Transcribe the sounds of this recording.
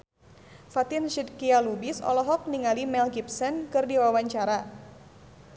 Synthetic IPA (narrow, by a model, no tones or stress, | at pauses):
fat̪ɪnʃid̪kialubisɔ̰lɔɦɔk̚niŋalimɛlɡip̚sɛnkɨrdiwawaɲt͡ʃaɾa